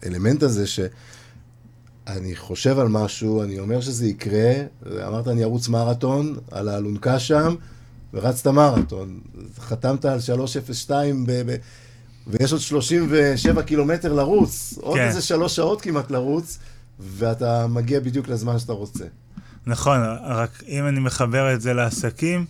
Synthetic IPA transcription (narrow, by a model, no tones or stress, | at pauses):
ḛle̞me̞ntaze̞ʃe̞ | aniχo̞ʃe̞valmaʃuanio̞me̞ʁʃ̬eze̞ikʁe̞vḛa̰maʁt̪̬aːniaʁut͡smaʁato̞na̰laːlunkaʃam | veʁat͡stamaʁato̞nχatamtaːlʃalo̞ʃefesʃtaimbebe | vejeʃo̞dʃlo̞ʃimve̞ʃe̞vakilo̞me̞te̞ʁlaʁut͡sʔodezeʃaloʃao̞tkimatlaʁut͡s | ve̞atamaɡiabid̪juklezmanʃataʁo̞t͡se̞̰ | naχo̞nʁakimanimeχabe̞ʁetzeleasakim